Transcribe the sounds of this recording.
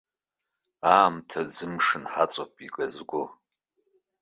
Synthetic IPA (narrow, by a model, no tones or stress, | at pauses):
aːmtʰazɨmʂɨnħat͡sʼopʼikʼazɡʷo